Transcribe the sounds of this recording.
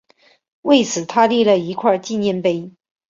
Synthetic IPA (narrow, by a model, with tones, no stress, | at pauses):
we˥˩ɪt͡sʰɹ̩˨˩t̪ʰa˥li˥˧lə˨˩i˧˥kʰwa˥˧t͡ɕi˥˧njɛ˥˧˩npe˥ɪ